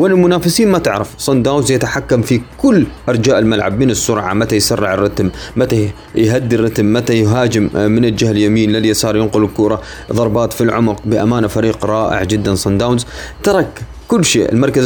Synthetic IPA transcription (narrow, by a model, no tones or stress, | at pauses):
wɪnɪlmʊnaːfɪsiːnmat̪ɪʕɾɑfsˤɑnd̪aːwnzjat̪aħakːamfikʊlːʔɑɾˤd͡ʒaːʔɪlmalʕa̰bmɪnɪsːʊɾˤʕa̰mat̪ajsarˤːɪʕɪrˤːɑt̪mːat̪a | jɦad̪ːirːɑt̪mːat̪ajɦaːd͡ʒɪmːɪnɪld͡ʒahljamiːnlɪljasɑːɾˤjɪnqʊlɪlkʊːɾˤɑ | ðˤɑɾˤbɑːt̪filʕʊmʊq̚bɪʔamaːnafaɾiːqɾˤɑːʔɪ̰ʕd͡ʒɪd̪ːansˤɑnd̪aːwnzt̪ɑɾˤɑk | kːʊlːʃḛːʔɪ̰lmɑɾˤkaz